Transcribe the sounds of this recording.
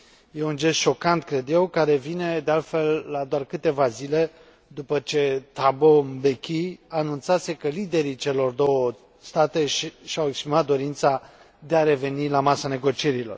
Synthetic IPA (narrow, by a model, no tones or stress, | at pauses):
je̞und͡ʒe̞st̪ʃo̞kant̪kɾe̞d̪je̞wkaɾe̞vine̞d̪ealt̪fe̞lːad̪oarkɨt̪e̞vazile̞ | d̪upət͡ʃe̞t̪abombekʲianunt̪sase̞kəlid̪e̞ɾit͡ʃe̞lo̞rd̪o̞wə | st̪at̪e̞ʃʃawe̞kspɾimat̪̚d̪o̞ɾint̪sa | d̪eaɾe̞ve̞nilamasane̞ɡo̞t͡ʃie̞ɾilo̞̰r